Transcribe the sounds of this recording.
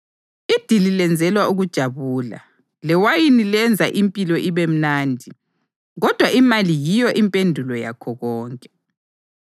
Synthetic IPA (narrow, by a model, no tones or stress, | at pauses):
id̥ʱililɛnd͡zʱɛlwauɣud̥ʒ̥ʱaβuːla̰ | lɛwajinilɛnd͡zʱa̰ʔimpʼilɔʔiβem̩naːndʱi | ɣɔd̥ʱwaʔimalijijɔʔimpʼendʱulɔja̰kʰɔɣɔːŋkʼɛ